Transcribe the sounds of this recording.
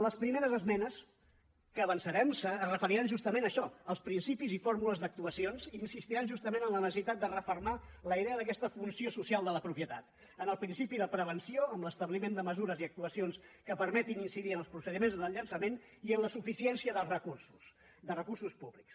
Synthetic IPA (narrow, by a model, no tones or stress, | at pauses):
ləspɾimeɾəzəzmɛnəs | kəːβənsəɾɛmsərəfəɾiɾanʒust̪əmenəʃɔəlˠspɾinsipizifoɾmuləzðək̚t̪uəsionzinsist̪iɾanʒust̪əmenənlənəsəsit̪at̪̚d̪ərəfərmaləiðeəðək̬ɛst̪əfunsiosusialˠd̪ələpɾupjət̪a̰t̪ | ənəlˠpɾinsipiðəpɾəβənsioəmləst̪əβlimend̪əməzuɾəziək̚t̪uəsionskəpəɾmɛt̪ininsiðiənəlˠspɾusəðimenzðəlʎənsəmen | iənləsufisiɛnsiəðəlˠrəkursu̥s | d̪ərəkursuspuβliks